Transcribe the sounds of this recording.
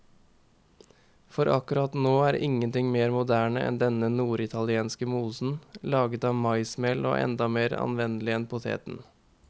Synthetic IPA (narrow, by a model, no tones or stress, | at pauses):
fɔɾʔɑ̰kʉɾɑt̪noːæːɾɪŋənt̪ɪŋmeːɾmʊd̪æːɳəʔɛ̰nd̪ɛnənuːɾɪt̪ʰɑlɪeːnskəmuːsn̩lɑːɡət̪ɑːmɑɪsmɛlo̰ːʔɛ̰nd̪ɑmeːɾɑ̰nʋɛnəlɪɛnpʰʊt̪ʰḛːt̪n̩